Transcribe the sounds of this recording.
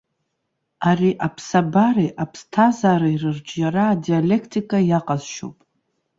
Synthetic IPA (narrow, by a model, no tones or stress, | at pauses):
ariʔapʰsabaɾiʔapʰstʰazaːɾairɨrd͡ʒʼjaɾaːdiale̞kʰtʰʼikʼajaqʼazʃo̰pʼ